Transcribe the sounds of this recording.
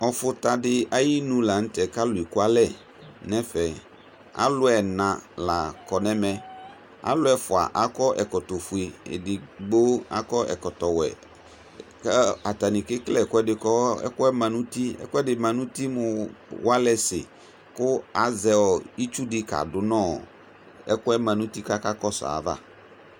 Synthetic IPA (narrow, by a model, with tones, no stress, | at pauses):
ɔ˨fʊ˨ta˨dɪ˦a˦ji˦nũ˦la˨n̩˦tɛ˨ka˦lʊ˨i˨kʊ˦a˦lɛ˦˨ | nɛ̃˦fɛ˨ | a̰˦lʊ˦ɛ˨nã˨la˨kɔ˨nɛ̃˦mɛ̃˨ | a̰˦lʊ˦ɛ˨fʊ˨a̰˨ʔa˦kɔ˦ʔɛ˨kɔ˨tɔ˨fu˨i˨ɪ̰˨dɪ˨ɡ͡bo˦a̰˨kɔ˦ʔɛ̰˨kɔ˨tɔ˨wɛ̰˨ | kɛ˦a˨ta˨nɪ̃˨kɪ˦klɛ˦˨kʊ˦ɛ˦dɪ˨kɔ˦ɛ̰˦kʊ˦ɛ˦mã˨nũ˦ti˦ɛ̰˦kʊ˦ɛ˦dɪ˨mã˨nũ˦ti˦mʊ̃˨wa˦lɛ˦sɪ̰˨ | kʊ˦a˨zɛ˦ɔ˨i˦t͡ʃu˦dɪ˦ka̰˨dʊ˨nɔ̃ː˦˨ | ɛ̰˦kʊ˦ɛ˦mã˨nũ˦ti˦ka˦ka˦kɔ˦sa̰˨ða̰˦